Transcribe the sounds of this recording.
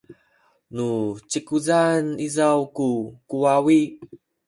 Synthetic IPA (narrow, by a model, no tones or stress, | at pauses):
nut͡ɕikuzanizawkukuwawi